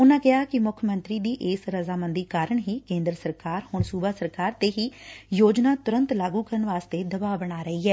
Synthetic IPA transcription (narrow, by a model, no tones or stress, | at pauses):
ʊnãːkɪaːkɪmʊkʰjəmə̃nt̪ɾiːd̪iːʔeːsɾəzaːmənd̪iːkaːɾəɳɦiːkẽːnd̪ɾəsəɾkaːɾhʊɳsuːbaːsəɾkaːɾt̪eːɦiːjoːd͡ʒnaːt̪ʊɾə̃nt̪laːɡuːkəɾəɳʋaːst̪eːd̪əbaːbəɽ̃aːɾəɦiːɦɛː